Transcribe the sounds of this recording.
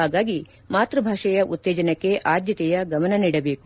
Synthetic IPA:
aːɡaːɡi | maːt̪ɾɐbʱaːʂɐjɐʔut̪ːeːd͡ʒɐnɐkːe̞ʔaːd̪jɐt̪ɛjɐɡɐmɐnɐniːɽɐbeːku

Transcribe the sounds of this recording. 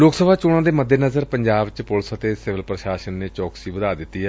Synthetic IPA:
loːksəbʱaːt͡ʃʊɽ̃ãːd̪eːməd̪ʱːeːnəzəɾpəɲd͡ʒaːbt͡ʃpʊlsət̪eːsɪʋəlpɾəʃaːʃənːeːt͡ʃɔːksiːbəd̪aːd̪ɪt̪ːiːɦɛː

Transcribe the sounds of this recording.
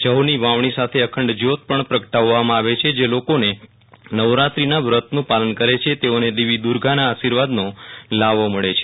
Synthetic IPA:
d͡ʒəɦoniʋaʋɳ̃isat̪ʰeəkʰəɳɖd͡ʒot̪̚pəɳpɾəkəʈaʋːamãaʋet͡ʃʰed͡ʒelokone | nəʋɾat̪ɾinaʋɾət̪nũpalənkəɾet͡ʃʰet̪eoned̪iʋid̪uɾɡʱanaːʃiɾʋad̪nolaʋoməɭet͡ʃʰe̥

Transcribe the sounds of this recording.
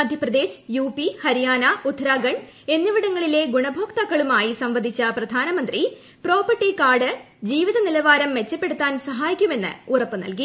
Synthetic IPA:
ɐd̪ʱjɐprɐd̪e̞ːɕjuːpːihɐɾijaːnɐud̪ʱɾaːɡɐɳ | e̞nːuʋiɽɐŋːɐɭile̞ɡuɳɐbʱoːkt̪ɐkːɐɭumaːjisɐmʋɐd̪ʱit͡ɕːɐprɐd̪ʱaːnɐmɐnd̪ri | pro̞ːpɐʈːikaːɖɨ | d͡ʑiːʋiðɐnilɐʋaːɾɐmːe̞t͡ɕːɐpːe̞ɽut̪ːaːnsɐɦaːjikʲːume̞nːɨ̰urɐpːɨnɐ̰lki

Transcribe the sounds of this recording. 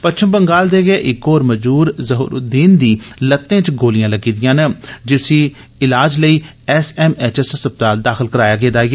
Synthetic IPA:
pətːt͡ʃʰəmbəŋɡaːld̪eːɡeːʔɪkoːɾməd͡ʒuːɾzəɦṵːɾʊ̰d̪iːnd̪iːlət̪ːẽːt͡ʃɡoːlɪjãːləɡiːd̪ɪjãːnəd͡ʒɪsiː | ɪlaːd͡ʒləiː | ɛsɛːmɛːt͡ʃɛsɛsəp̚t̪aːld̪aːxɪlkəɾaːjaːɡeːd̪aːɡeː

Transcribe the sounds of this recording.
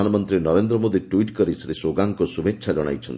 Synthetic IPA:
anɔmɔnt̪ɾinɔɾend̪ɾɔmod̪iʈuiʈkɔɾisɾesoɡaŋkɔsubʱetːʃʰad͡ʒɔɽ̃a̰jt͡ʃʰɔnt̪i

